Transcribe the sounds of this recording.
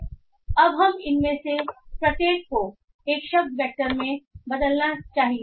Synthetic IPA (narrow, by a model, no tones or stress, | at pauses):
ɐbɦɐmɪnmẽsepɾɐt̪eːkːo | eːkʃɐb̚d̪̚bɛːk̚ʈəɾmẽbɐd̪əlnat͡ʃaːɦĩ